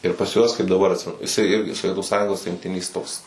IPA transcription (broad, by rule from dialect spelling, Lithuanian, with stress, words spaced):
ɪr pɐs ˈjuɔs kɐɪp dɐˈbɐr ɐtʲˈsʲɪmʲɛnʊ jɪˈsɐɪ ˈɪrʲɡʲɪ soːˈʋʲiɛtʊ ˈsɑːjʊŋɡoːs rʲɪŋkˈtʲɪnʲeːs ˈtoːks